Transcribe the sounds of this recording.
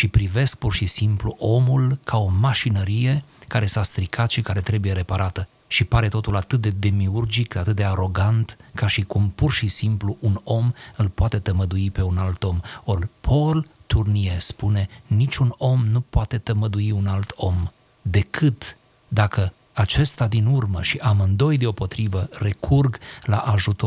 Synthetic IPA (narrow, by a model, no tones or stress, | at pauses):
ʃipɾive̞sk̚purʃisimpluʔo̞mulkʰao̞maʃinəɾije̞kaɾe̞sast̪ɾikʰat̪ʃikaɾe̞t̪ɾe̞buje̞ɾe̞paɾʔat̪ə | ʃipaɾe̞t̪o̞t̪ulat̪ɨt̪̚d̪e̞d̪e̞miurd͡ʒik̪at̪ɨt̪̚d̪e̞aɾo̞ɡant̪kaʃikumpurʃisimpluʔuno̞mɨlpoat̪e̞t̪əməd̪uipe̞unalt̪o̞mo̞rʲpʰo̞lt̪urniespune̞nit͡ʃuno̞mnupoat̪e̞t̪əməd̪uiunalt̪ʰo̞m | d̪e̞kʰɨt̪ | d̪akə | at͡ʃe̞st̪ad̪inurməʃiʔamɨnd̪o̞jd̪e̞o̞po̞t̪ɾivəre̞kʰurɡlaʔaʒut̪o